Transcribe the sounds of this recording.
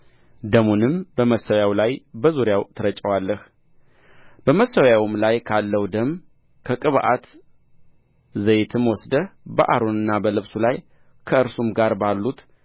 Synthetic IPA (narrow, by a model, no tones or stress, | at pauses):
d̪əmunɨmbəməsːəwjawlajbəzuɾjawt̪ʰəɾət͡ʃʼːəwalːəh | b̥əməsəwjawmlajkʰalːəwd̪əm | kʰəkʼɨβʔa̰t̪ | zəjt̪ʰɨmwɔsd̪əbə̰ʔa̰ɾonɨnːabəlɨβsulaj | kʰəɨɾsumɡaɾbalːut̪